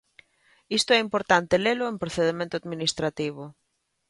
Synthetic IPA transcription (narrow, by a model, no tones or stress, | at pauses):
ist̪oɛimpoɾt̪ant̪elelʊempɾoθeð̞emẽnt̪ʊaðminist̪ɾat̪iβ̞ʊ